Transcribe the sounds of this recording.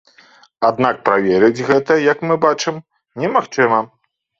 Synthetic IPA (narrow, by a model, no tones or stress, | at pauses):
ad̪nak̚pɾavʲɛɾɨd͡zʲɣɛt̪ɐjɐkmɨbat͡ʂɨm | nʲɛmaxt͡ʂɨmɐ